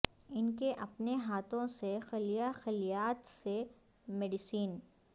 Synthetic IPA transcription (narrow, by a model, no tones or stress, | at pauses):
ɪnkeʔɐpneɦaːt̪ʰõsexɪlijaxɪlijaːt̪se | mɛːɖɪsiːn